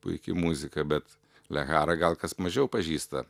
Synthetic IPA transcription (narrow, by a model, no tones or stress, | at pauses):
pʊ̰ɪkʲɪmuːzʲɪkɐbʲɛt̪ | lʲɛɣɑːɾɐɡɐlˠkɐsmɐʒʲɛʊpɐʒʲiːst̪ɐ̰